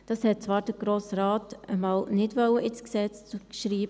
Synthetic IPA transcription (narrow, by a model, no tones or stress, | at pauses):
d̥ɑshɛt̚t͡svɑːɾd̥əɡ̥ɾoːsɾaːtəmɑːlnɪdʋœləʔɪtsksɛt͡st͡sukʃɾiːbə